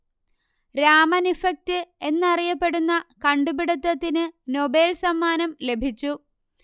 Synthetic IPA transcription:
ɾaːmɐnifɐk̚tɨe̞nːɐrijɐpːe̞ɽunːɐkɐɳɖubiɽɐt̪ːɐt̪ːinɨno̞be̞ːlsɐmːaːnɐmle̞bʱit͡ɕːu

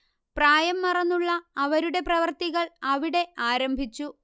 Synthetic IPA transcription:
praːjɐmːɐrɐnːuɭːɐːʋɐɾuɽe̞prɐʋɐrt̪iɣɐɭɐʋiɽe̞aːɾɐmbʱit͡ɕːu

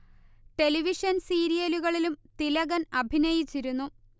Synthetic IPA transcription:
ʈe̞liʋiʂɐnsiːɾijɐluɣɐɭilumt̪ilɐɣɐnɐbʱinɐjit͡ɕːiɾunːu

